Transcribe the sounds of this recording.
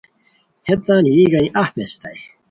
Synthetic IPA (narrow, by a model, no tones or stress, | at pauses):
het̪ːãːnijiɡɐniʔɐhmest̪ɐj